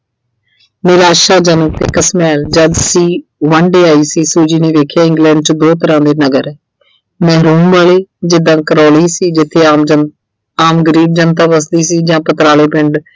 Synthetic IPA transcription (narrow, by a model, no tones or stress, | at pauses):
nɪɾaːʃaːd͡ʒənək̚t̪ḛːkəsmɛːld͡ʒəd̪siːʋãːɳɖeːaːiːsiːsuːd͡ʒiːneːʋeːkʰjaːɪ̃ŋɡlɛ̃ːɳɖ̚t͡ʃd̪oːt̪əɾãːd̪eːnəɡəɾɛː | mɛːɾuːnʋaːleːd͡ʒɪd̪ãːkəɾoːliːsiːd͡ʒɪt̪ʰːeː | aːmɡəɾiːb̚d͡ʒənt̪aːʋəsliːsiːd͡ʒãːpət̪ɾaːleːpɪɳɖ